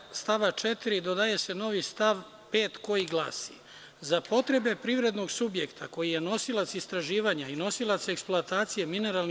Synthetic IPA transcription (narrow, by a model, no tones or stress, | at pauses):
st̪aʋat͡ʃe̞t̪iɾid̪o̞d̪aje̞se̞no̞ʋist̪aʋ | pe̞ːt̪ko̞jiɡlˠa̰ːsḭ | zapo̞t̪ɾe̞be̞pɾiʋɾe̞d̪noɡsubje̞kt̪ʰako̞jije̞no̞silˠat̪sist̪ɾaʒiːʋaɲaino̞silˠat̪se̞ksploat̪aːt̪sijemine̞ɾalni